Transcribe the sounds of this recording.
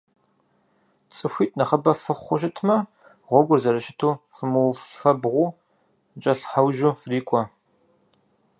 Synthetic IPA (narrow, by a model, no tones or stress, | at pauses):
t͡sʼɨxʷiːtʼnɐχɐbɐfɨχʷʊʃ̬ɪtʰmɐ | ʁʷɔɡʷʊrzɐɾɐʃɪtʰuːfɨmɨwffɐbʁʷuː | d͡ʒʼɐɬħawʒuːfriːkʷʼɔ